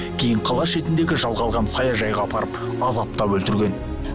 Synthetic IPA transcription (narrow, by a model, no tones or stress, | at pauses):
kʲʰe̞jɪɴqʰɑlˠɑʃe̞t̪ɪnd̪e̞ɡʲɪʒɑlˠʁɑlˠʁɑnsɑjɑʒɑjʁɑpʰɑɾəp | ɑzɑp̚t̪ɑwɵlt̪ɪɾɡʲe̞n